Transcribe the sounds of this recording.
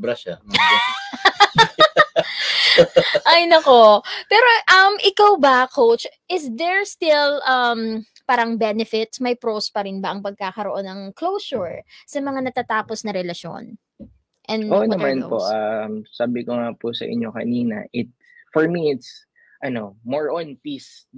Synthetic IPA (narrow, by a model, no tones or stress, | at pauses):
bɾaʃa | ʔɐjnɐko̞pɛːɾo̞ʔɐmʔɪkawbɐkowt͡ʃʔɪsd̪ɛɹst̪ɪlʔɐm | paːɾɐŋbɛnɛfɪt̪smɐjpɾospɐɾɪnbɐʔɐŋpɐɡ̚kaːkɐɾoʔo̞nːɐŋklowsʊɹsɐmɐŋanɐt̪aːt̪aːposnɐɾɛlɐʃjo̰n | ʔɛnʔonɐmanpo̰ʔamsaːbɪkoŋapusɐ̰ʔɪ̰ɲo̞kɐ̰niːnɐ̰ʔɪt̪̚ | fɔɹmiɪt̪s | ʔɐno̞moɹʔɔ̃npis